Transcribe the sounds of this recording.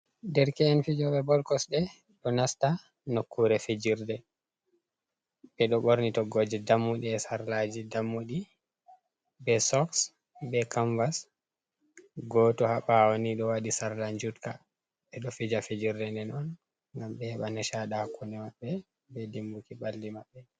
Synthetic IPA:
dɛɾkɛːnfid͡ʒɔɓɛbɔlkɔsɗɛ | ɗɔnasta | nokːuɾɛfed͡ʒiɾdɛ | ɓɛɗɔɓoɾnitɔɡɔd͡ʒɛdamːuɗiɛsaɾlad͡ʒidamːuɗi | bɛsɔks | bɛkaɱvas | ɡɔtɔhaɓawoniɗɔwaɗisaɾland͡ʒutka | ɓɛɗɔfid͡ʒafed͡ʒiɾdɛndɛnɔn | ŋɡambɛhɛɓanɛʃaɗahakːunɛmaɓːɛ | bɛdimbukibalːimaɓːɛ

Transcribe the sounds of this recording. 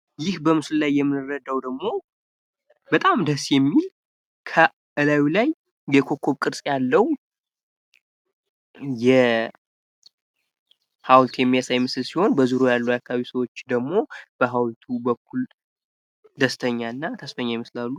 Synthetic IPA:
jɪhbəmɨsllajːɛmːɨnɨrːəd̪awd̪əɡmo̞ | bət̪ʼamd̪əsjɛmːil | kʰə | ʔɨlawilaj | jɛkʰo̞kʰːo̞βkʼɨɾsʼjalːəw | jɛ | hawlt̪ʰjɛmːijasajmɨsɨlsiho̞nbəzuɾujalːujakʰːaβaβisəwo̞t͡ʃːd̪əɡmo̞b̥əɦawlt̪ʰubəkʰːul | d̪əst̪ʰəɲːaɨnːat̪ʰəsfəɲːajɛməslalːu

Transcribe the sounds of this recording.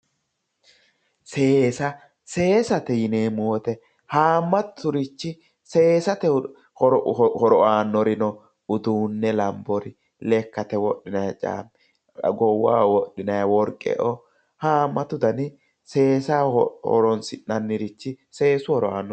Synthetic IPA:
se̞ːsɐ | se̞ːsɐt̪ɛjɪneːmʊwɔt̪ɛ | haːmːɐt̪ːʊɾɪt͡ʃːɪ | se̞ːsɐt̪ɛ | hɔɾɔaːnːɔɾɪnɔ | ʊd̪uːnːɛlɐmbɔɾɪ | lɛkːɐt̪ɛwɔɗːɪnɐjɐt͡ʃʼa̰ːmɛ | ɡɔwːa̰ːwɔɗːɪnɐjɐwɔɾkʼːɛ̰ʔɔ | haːmːɐt̪ʊd̪ɐnɪ | se̞ːsaːhɔ̰ɾɔnsɪnːɐnːɪɾɪt͡ʃːɪ | se̞ːsʊhɔɾɔaːnːɔ

